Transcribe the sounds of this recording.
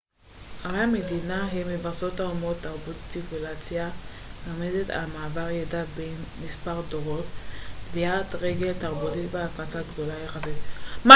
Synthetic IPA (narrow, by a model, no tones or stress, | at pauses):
aʁeamedinaɦemːevaʁso̞thaumo̞t̪ːaʁbut̪sikulat͡sja | lamede̞ta̰lmaːbaʁjadadbejnmispaʁdoʁo̞tviat̪ʁeɡe̞ltaʁbutitbeakat͡saɡdo̞lajeχazit̪ma